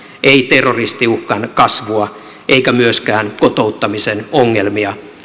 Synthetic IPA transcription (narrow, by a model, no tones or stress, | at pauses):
ʔeit̪erːorist̪iuhkɑnkɑsʋuɑ | ʔeikæmyøskæːnkot̪out̪ːɑmisenoŋːelmiɑ